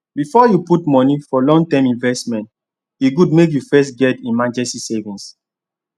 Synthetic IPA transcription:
bifɔjuputmɔnifɔlɔ̃ŋtɛ̃mĩnvɛstmɛ̃nt | juɡud̚mek̬jufɛs̬tɡɛtĩnmãd͡ʒɛstisevĩns

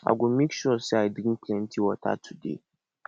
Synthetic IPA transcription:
ʔa̰ɡʷʊmikʃɔɾseajdɾĩnplɛ̃ntʰiwata̰tʰudḛ

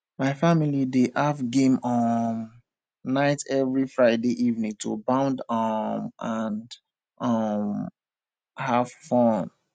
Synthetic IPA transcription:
maɪfamilideʔafɡẽmɔm | naɪtɛvɹifɹaɪdeʔivnĩŋtʰo̰bãʊ̃ndɔmãnd | ʔʌm | hav̥fɔ̃n

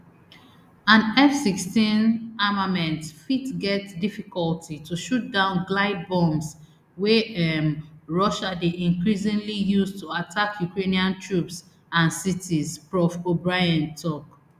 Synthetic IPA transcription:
ãnɛfsikstĩnamãmɛ̃ntfitɡɛtdifikɔltʰitʰuʃut̚dãʊ̃nɡlaɪd̚bɔ̃ms | wɛɛmɹɔʃadeʔĩnkɹisĩŋlijustuatʰakʰjukɹeniãntʰɹups | ãnsitizfɹɔfobɹaɪãntʰɔk

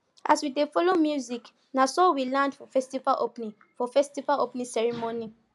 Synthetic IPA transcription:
ʔaswidefɔlomjuzik | nasɔwilãndfɔfɛstivaʔopnĩŋ | fɔfɛstivalopnĩsɛɹimoni

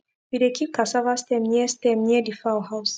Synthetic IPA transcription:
bidekʰikasavast̪ɛmɲɛst̪ɛmɲɛdifawhaws

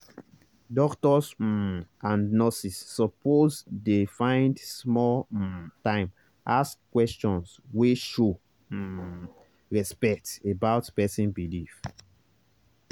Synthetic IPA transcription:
dɔktɔs̩ | ãnnɔsisːɔpozdefãɪ̃ndsmɔltãɪ̃m | ʔaskkwɛst͡ʃɔ̃nsweʃo | ɹɛspɛk̚tebaʊtpɛsĩnbilif

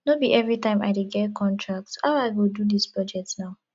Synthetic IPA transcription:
nobiʔɛvɹitãɪ̃ma̰ɪdeɡɛt̚kʰɔ̃ntʰɹak̚tsaʊaɪɡodudispɹɔd͡ʒɛk̚tnaʊ

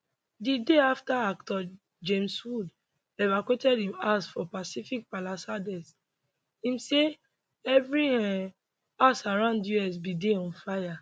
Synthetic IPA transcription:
dideaftaaktɔ | d͡ʒẽmswud | ɛvakwetɛdhĩmasfɔpasifik̚palasadɛs | ĩmse | ɛvɹiɛ̃ | asaɹãʊ̃ndjuɛs̬bideɔ̃nfaja

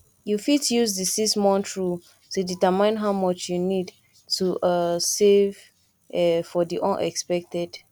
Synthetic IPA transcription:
jufitjuzdisismɔ̃ntʰɹu | tuditəmĩnɦaʊmɔt͡ʃjunid | tʰuʔʌsev | ɛfɔdiʔɔ̃nʔɛ̰kspɛk̚tɛd̥

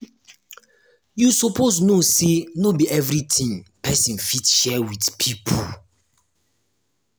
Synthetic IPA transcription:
jusɔpʰosnosenobiʔɛvɹitʰĩŋpʰɛsĩnfitʃɛwidpʰipʰɔ

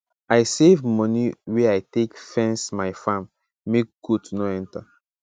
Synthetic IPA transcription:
ajsevmɔniwɛajtekfɛ̃nsmaɪfãmː | ek̚ɡ̥udnoɛ̃nta

